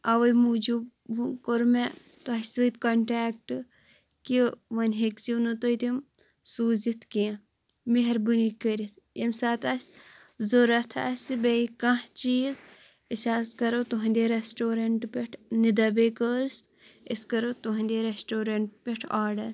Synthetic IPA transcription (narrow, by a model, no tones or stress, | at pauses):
ɐʋɐjmud͡ʒu | ukoɾme | t̪oɐsɨt̪kɐɳʈaːk̚ʈɨ | kiʋɐnɦekt͡sinut̪oit̪im | suːzit̪ʰkiã | miɦɐɾbunikəɾit̪ʰ | emsaːt̪asʲ | zoɾɐt̪ʰa̰ːsibeikɐ̃ht͡ʃiːz | isʲaːskɐɾot̪uɦɐ̃nd̪eɾesʈoːɾɐɳʈpeʈʰnid̪ɐbekəːɾs | iskɐɾot̪uɦɐ̃nd̪eɾesʈoːɾɐɳʈpeʈʰaːɾɖɐɾ